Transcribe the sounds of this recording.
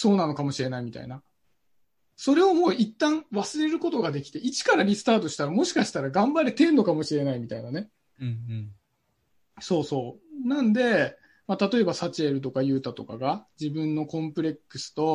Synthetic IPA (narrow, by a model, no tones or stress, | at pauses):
so̞ːnano̞kamo̞ɕiɾe̞naimʲit̪a̰ḭna | so̞ɾe̞o̞mo̞ːit̪ːãɰ̃βasɨɾe̞ɾɯ̟ko̞t̪o̞ɡad̪e̞kʲi̥t̪e̞ʔit͡ɕi̥kaɾaɾʲisɨ̥t̪aːt̪̬o̞ɕi̥t̪aɾamo̞ɕi̥kaɕi̥t̪aɾaɡãmbaɾet̪ẽ̞ːnd̪o̞kamo̞ɕiɾe̞naimʲit̪ainane̞ | so̞ːso̞ːnãnd̪e̞ | mat̪at̪o̞e̞basat͡ɕieɾɯ̟t̪̬o̞kajɯ̟ːt̪at̪o̞kaɡad͡ʑibɯ̟̃nːo̞kõ̞mpɯ̟ɾʲe̞kːɯ̟sɨ̥t̪o̞